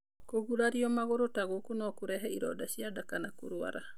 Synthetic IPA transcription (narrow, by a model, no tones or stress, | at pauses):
koɣulaɾiɔmaɣoɾotaɣokonɔkuɾɛɦɛiɾɔ̰daʃiadakanako̰ɾua̰ɾa